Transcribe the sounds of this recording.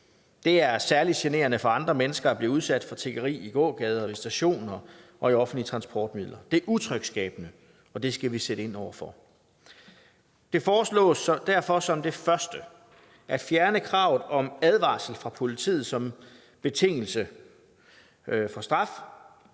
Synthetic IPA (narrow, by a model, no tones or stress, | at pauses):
d̥e̝æɐsæɐlid̥ɕene̝̰ːɐnəfɒ̽ɑ̈nd̥ʁɐmenəsɡ̥ɐæb̥liːuðˠsæd̥fɒ̽t͡sʰe̝ɡ̥ɐʁḭːiɡ̥ɔ̰̽ːɡ̥ɛːð̞ˠɐɒisd̥æɕo̝̰ːnɐʔɒ̽iɒ̽fn̩lit͡sʰʁɑ̈nsb̥ʰɒːd̥mið̰ˠlɐd̥e̝ʔut͡sʰʁœɡ̥sɡ̥ɛ̰ːb̥ənə | ɒ̽d̥e̝sɡ̥æʋiseɾ̥əe̝n̰ɒʊɐfɒ̽ | d̥e̝fɒːslɔ̰̽ːsd̥æɐ̰fɒ̽sɒ̽md̥e̝fɶɐsd̥ə | ʔæd̥fjæɐnəkʰʁɑ̈ʊð̩ˠɒ̽mæð̞ˠʋɑ̰̈ːsl̩fʁɑ̈pʰo̝lit͡sʰḭːð̞̩ˠsɒ̽m | b̥e̝t͡sʰe̝ŋ̰l̩sə | fɒ̽sd̥ʁɑ̈f